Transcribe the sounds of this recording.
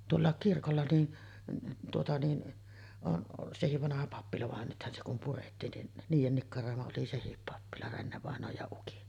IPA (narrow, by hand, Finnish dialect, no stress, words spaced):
tuolːɑˑek kirkolːɑ ni tuotɑ ni on sehiʋ ʋɑnɑhɑ pɑpːilɑ ʋɑn nythæn se kum puretːiːn nin niːjen nikːɑroˑemɑ oli sehip pɑpːilɑ renːeʋɑˑenˑoːj jɑ ukin